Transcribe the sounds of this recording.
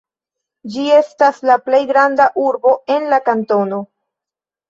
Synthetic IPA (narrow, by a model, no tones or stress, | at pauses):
d͡ʒie̞staslaple̞jɡɾandaʔuɾbo̞e̞nlakanto̞no̞